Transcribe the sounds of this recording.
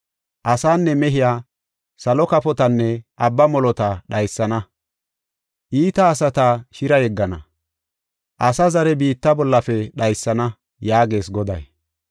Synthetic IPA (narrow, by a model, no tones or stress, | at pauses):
ʔɐsaːnːɛmɛɦɪjaː | sɐlɔkɐpɔt̪ɐnːɛʔɐbːɐmɔlɔt̪ɐɗɐjsːɐnɐ | ʔiːt̪ɐːsɐt̪ɐʃɪɾɐjɛɡːɐnɐ̰ | ʔɐsɐzɐɾɛbiːt̪ːɐbɔlːɐfɛɗɐjsːɐnɐ | jaːɡe̞ːsɡɔd̪ɐ̰j